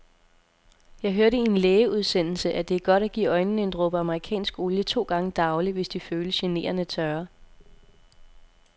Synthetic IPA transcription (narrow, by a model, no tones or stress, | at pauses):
jɑ̈ɪɦøɐɾəinleːəuð̞ˠsen̰l̩səʔæd̥e̝æɐɡ̥ɒ̽ɾ̥æɡ̥ḭːɒ̽ɪnn̩e̝nd̥ʁɔb̥əɑ̈məʁikʰɛ̰ːnsɡ̥o̝ljət͡sʰo̝̰ːɡ̥ɑ̈ŋəd̥ɑ̈ʊliʋe̝sd̥iføːləsɕene̝̰ːɐnət͡sʰɶɐ